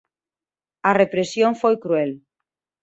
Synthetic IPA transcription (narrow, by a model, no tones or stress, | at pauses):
arepɾesjõŋfojkɾuel